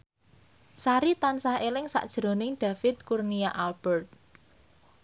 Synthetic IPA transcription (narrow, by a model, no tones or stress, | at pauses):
saɾit̪ansaɦelɪŋsa̰ʔd̥ʒ̥ɾo̤nɪŋɖ̥ä̤fɪt̪̚kurniaʔalb̥ɛrt̪̚